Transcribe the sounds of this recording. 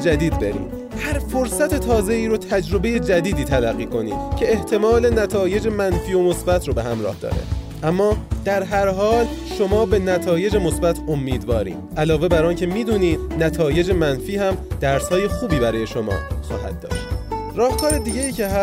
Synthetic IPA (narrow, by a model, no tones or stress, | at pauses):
d͡ʒæd̪iːd̪̚be̞̰ɾḭːm | hæɾfo̞ɾsæt̪ʰe̞t̪ʰɒːze̞iːɾot̪ʰæd͡ʒɾo̞be̞je̞d͡ʒæd̪iːd̪iːt̪ʰælæɣːiːkʰo̞nḭːcʰe̞ːht̪ʰe̞mɒːle̞næt̪ʰɒːje̞d͡ʒe̞mænfiːo̞mo̞sbæt̪ʰɾobe̞ɦæmɾɒ̰ːhd̪ɒ̰ːɾḛ | ʔæmːɒːd̪̥æɾɦæɾɦɒːl | ʃo̞mɒːbe̞næt̪ʰɒːje̞d͡ʒe̞mosbæt̪ʰo̞mːiːd̪vɒːɾḭːmʔælɒːve̞bæɾɒːncʰe̞miːd̪uːniːd̪næt̪ʰɒːje̞d͡ʒemænfiːhæmd̪̥æɾshɒːje̞xuːbiːbæɾɒːje̞ʃo̞mɒ̰ːxɒ̰ːhæ̰d̪̥̚ːɒ̰ːʃt̪ | ɾɒːht̪ʰɒːɾe̞d̪iːɟe̞iːcʰe̞ɦæ